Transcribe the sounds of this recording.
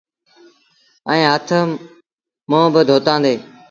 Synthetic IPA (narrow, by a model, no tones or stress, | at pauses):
əĩːɦət̪ʰə | mõːbəd̪ʱoːt̪ãːnd̪eː